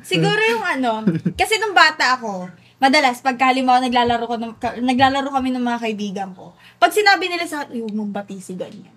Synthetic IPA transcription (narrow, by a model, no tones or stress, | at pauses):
sɪɡuːɾojʊŋʔɐno̞kɐsɛnʊŋbaːt̪ɐʔɐko̞ | mɐd̪ɐlaspɐɡ̚kɐhɐlɪmakonɐɡlaːlɐɾokonɐkɐnɐɡlaːlɐɾokɐmɛnɐŋmɐŋakɐʔɪbiːɡɐŋko̞ | pɐɡ̚sɪnaːbɪnɪlasɐjʊmʊŋbɐt̪iːsɪɡɐɲːan